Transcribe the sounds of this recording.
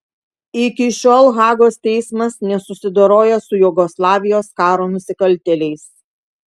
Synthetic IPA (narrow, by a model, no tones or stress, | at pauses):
ɪkʲɪʃʲoːlˠɣɑːɡoːst̪ʲɛɪsmɐsnʲɛsʊsʲɪd̪oɾoːjɛsʊjʊɡɔslˠɑːʋʲɪjoːskɑːɾoːnʊsʲɪkɐlʲˑt̪ʲɛlʲɛɪs